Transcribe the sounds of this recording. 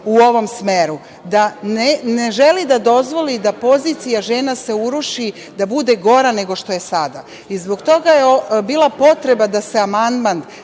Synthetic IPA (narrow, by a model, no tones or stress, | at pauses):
uo̞ʋo̞msmeɾu | d̪aneneʒelid̪ad̪o̞zʋo̞lid̪apo̞ziːt̪sijaʒe̞ːnase̞uɾuʃi | d̪abud̪e̞ɡo̞ɾane̞ɡo̞ʃt̪o̞je̞sad̪a | izbo̞ɡt̪o̞ɡajeobiːlˠapo̞t̪ɾe̞bad̪aseamand̪mand̪